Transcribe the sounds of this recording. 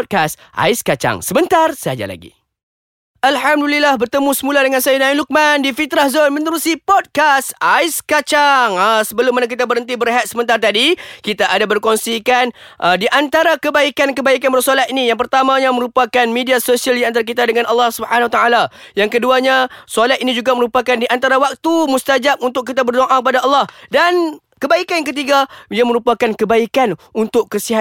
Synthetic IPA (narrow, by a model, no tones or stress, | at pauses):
d̚kasʔa̰iskat͡ʃa̰ŋsəmənt̪arsad͡ʒa̰la̰ɡḭ | ʔalhamdulilahbərt̪əmũsəmũladəŋansajanailuk̚mandifit̪ɾahzonmə̃nt̪əɾusipɔd̚kasaiskat͡ʃaŋəsəbəlʊmanãk̬it̪abəɾɦənt̪̬ibəɾɦat̪̚səmənt̪art̪adikit̪aʔadabərkɔnsikanʔədiʔant̪aɾakəbaikankəbaikanbərsolat̪̚inijaŋpərt̪amãɲãməɾupakanmidiasosialdiant̪̬aɾak̬it̪adəŋanalːɑhsubəħanwat̪aala | jaŋkəduaɲasolat̪inĩd͡ʒuɡaməɾupakandiʔant̪aɾawak̚t̪umust̪ad͡ʒap̚unt̪ʊk̚kːit̪̬abərdoʔakəpadaʔɑlːɑhdan | kəbaikanjaŋk̬ət̪̬iɡajamə̃ɾupakankəbaikanunt̪ʊkːəsiɦa